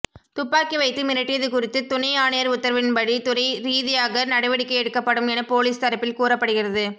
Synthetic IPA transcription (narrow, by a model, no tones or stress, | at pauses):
t̪ʊpːaːkiʋɐɪt̪ːɯmɪɾɐʈːɪjɐðɯkʊrɪt̪ːɯt̪ʊnɐɪaːnɐjɐɾʊt̪ːɐɾɐʋɪnbɐɽit̪ʊɾɐɪɾiːðɪjaːɣɐnɐɽɐɪʋɐɽɪkːɐɪɛɽɯkːɐpːɐɽɯmɛnɐpoːliːst̪ɐɾɐpːɪlkuːrɐpːɐɽɯɣɪrɐðɯ